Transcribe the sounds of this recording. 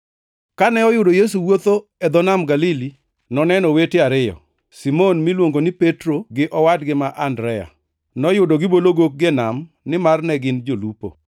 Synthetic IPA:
kanɛɔjʊdojes̬uwot̪oɛd̪ɔnamɡalili | nɔnɛnɔwetɪaɾɪjɔ̰ | simonmilwoŋɡonɪpetɾoɡɪʔɔwadɡɪmaʔandɾɛja̰ | nɔjʊdoɡɪboloɡok̚ɡɪnam | nɪmarnɛɡɪnd͡ʒolupo̰

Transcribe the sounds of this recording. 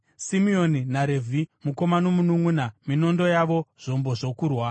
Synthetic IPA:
simio̞ninaɾevʱimuko̞mano̞munuŋunamino̞ndo̞jaʋo̞ʐ̥o̞mbo̞ʐo̞kuːrwa

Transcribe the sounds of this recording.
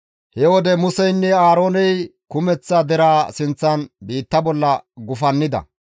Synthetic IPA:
hɛwɔd̪ɛmʊsɛjnːɛaːɾo̞ːnɛjkʊmɛt͡sːɐd̪ɛɾaːsɪnt͡sːɐnbiːt̪ːɐbɔlːɐɡʊfɐnːɪd̪ɐ̰

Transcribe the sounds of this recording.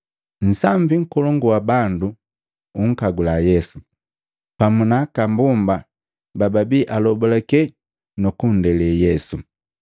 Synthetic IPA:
n̩sambiŋ̩kɔlɔŋɡuwabandu | uŋ̩kaɡulajɛsu | pamunakambumba | bababiʔalɔbɔlɛkɛ | nukundɛlɛjɛsu

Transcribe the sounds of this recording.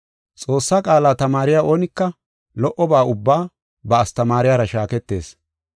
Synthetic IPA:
t͡sʼo̞ːsːaːkʼaːlaːt̪ɐmaːɾɪjaːʔo̞ːnɪkːɐ | lɔʔɔbaːʔʊbːaː | bɐːst̪ɐmaːɾɪjaːɾɐʃaːkɛt̪ːe̞̰ːs

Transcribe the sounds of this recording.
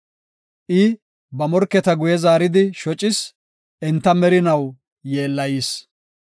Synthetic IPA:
ʔɪ | bɐmɔɾkːɛt̪ɐɡʊjɛzaːɾɪd̪ɪʃɔt͡ʃʼːɪs | ʔɛnt̪ːɐmɛɾɪnɐw | jeːlːɐjis

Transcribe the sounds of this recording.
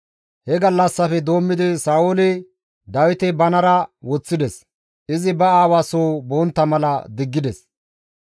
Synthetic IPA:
hɛɡɐlːɐsːɐfɛd̪o̞ːmːɪd̪ɪsaːolɪ | d̪ɐwɪt̪ɪbɐnɐɾɐwɔt͡sːɪd̪ɛs | ʔɪzɪbɐaːwaːsoːboːnt̪ːɐmɐlɐd̪ɪɡːɪd̪ɛs

